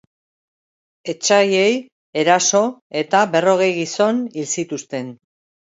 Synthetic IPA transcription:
e̞t͡ʃaje̞j | e̞ɾaso̞e̞t̪aβe̞ro̞ɣe̞jɣiso̞nilsit̪ust̪e̞n

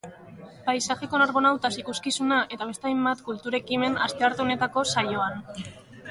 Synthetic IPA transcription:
pajsaxe̞ko̞naɾβo̞nawt̪asikuskisunaʔe̞t̪aβ̞e̞st̪ajmbat̪kult̪uɾe̞kime̞na̰st̪e̞aɾt̪uone̞t̪ako̞sajo̞an

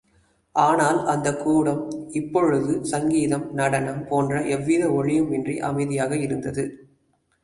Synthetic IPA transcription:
ʔaːnaːlɐnd̪ɐkːuːɽɐmɪpːɔɻɯðɯsɐŋɡiːðɐmnɐɽɐnɐmpoːndrɐʔɛʋːiðɐɔɻɪjɯmɛndriʔɐ̰mɐɪðɪjaːɣɐɪɾɯnd̪ɐðɯ

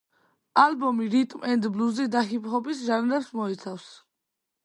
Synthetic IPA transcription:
albɔmiɾit̪ʼmɛnd̪bluzid̪aχipʼχɔbisʒanlɛpsmɔit̪sʰafs

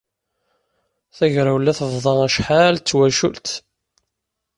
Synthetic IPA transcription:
θæʝɾæwlːæθəvðˤɑæʃħalt͡sːwæʃṵlt̪

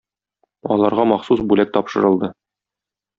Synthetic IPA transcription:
ɒlˠɑɾʁɑmɒχsusbʉlæk̚t̪ɒpʃɤ̆ɾɤ̆lˠd̪ɤ

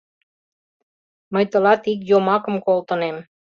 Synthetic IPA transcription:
məjt̪ə̆lɑt̪ik̬jomɑkə̆mkolt̪ə̆nem

